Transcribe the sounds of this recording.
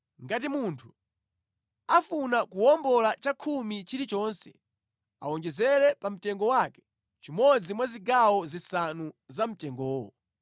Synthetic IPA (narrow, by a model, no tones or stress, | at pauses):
ŋɡat̬imuntʰu̥ | afunakuwɔmbɔlat͡ʃakʰumit͡ʃiɾit͡ʃɔːnsɛ̰ | awɔnd͡ʒɛzɛɾɛpam̩tɛŋɡɔwakɛ̥ | t͡ʃimɔd͡zimwaziɡawɔzisanuzam̩tɛŋɡɔːwɔ̰